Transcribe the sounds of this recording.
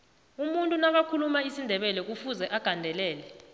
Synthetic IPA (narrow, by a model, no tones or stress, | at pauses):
umuntʼunaɓ̬akʰulumaisindʱɛɓɛlɛk̬ufuzɛʔaɡ̥ʱandʱɛlɛːlɛ